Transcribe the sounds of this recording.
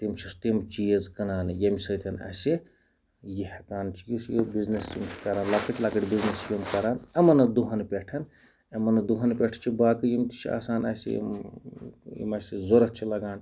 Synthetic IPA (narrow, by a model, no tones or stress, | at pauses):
t̪imt͡ʃʰist̪imt͡ʃijɐzkɐnaːnɨjɐmʲsɐt̪ʰɐnɐ̰si | jihɐkaːnt͡ʃʰijisjobiznest͡ʃimt͡ʃʰi̥kɐɾaːnlakɐʈʲlɐkɐʈʲbiznesjimkɐɾaːnɐmɐnɐd̪uɦɐnpʲeʈʰɐn | ɐmɐnɐd̪uɦɐnpʲeʈʰt͡ʃʰibaːkɨjimt̪i̥t͡ʃʰia̰ːsaːnɐ̰sḭm | jḭmɐsizoɾɐt̪̚t͡ʃʰilɐɡaːn